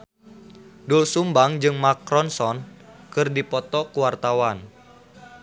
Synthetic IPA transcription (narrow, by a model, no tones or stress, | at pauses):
dulsumbaŋd͡ʒɨŋmakɾɔnsɔnkɨrdipɔt̪ɔkuwart̪awan